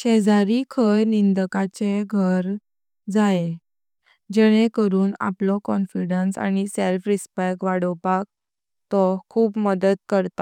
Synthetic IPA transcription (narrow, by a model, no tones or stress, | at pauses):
ɕɛd͡zaɾikʰəjnind̪əkat͡ɕeɡʱəɾ | d͡zae | d͡ʑɛɽ̃ẽkəɾuːna̰plɔkɔnfiɖənsa̰ñiselfɾispekʋaɽəpak̚ | t̪ɔkʰuːpməd̪əd̪kəɾt̪a